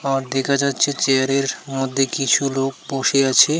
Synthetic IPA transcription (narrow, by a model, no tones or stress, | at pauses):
aɾd̪ekʰad͡ʑatːɕʰet͡ɕeaɾeɾmod̪ʱːekit͡ɕʰulok̚boʃeat͡ɕʰe